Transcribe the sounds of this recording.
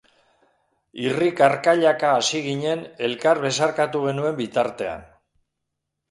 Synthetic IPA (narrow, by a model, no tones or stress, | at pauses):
irikaɾkaʎakaːsiɣiɲe̞ne̞lkaɾβe̞saɾkat̪uɣ̞e̞nue̞mbit̪aɾt̪e̞a̰n